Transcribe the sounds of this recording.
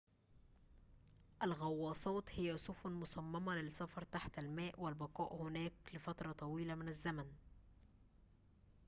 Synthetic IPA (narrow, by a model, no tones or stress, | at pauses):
ʔælɣɑwːɑːsˤɑːt̪hɪjːæsˤʊfʊnmʊsɑmːɑmɑlɪsɑfɑɾˤt̪aħt̪ælmæːʔwɪlbɑqɑːʔhʊnæːklɪfɑt̪ɾˤɑt̪ˤɑwiːlæmɪnæzːæmæn